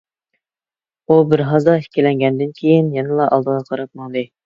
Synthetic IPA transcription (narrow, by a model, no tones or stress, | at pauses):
ubɪɾɦɑzd̪ɑɦi̥kʲːilɛŋɡʲɛnd̪ɪnkʲʰejɪnjɛnɪlˠɑʔɑlˠd̪əʁɑqʰɑɾɑp̚mɑŋd̪ɨ